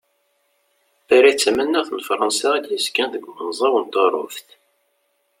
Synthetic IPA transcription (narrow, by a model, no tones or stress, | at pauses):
θæɾæt͡sːæmænːæʁθnəfɾˤɑnsɑæd̪jəzkænðəɡʷmənzˤɑwənt̪əɾˤʊ̰fθ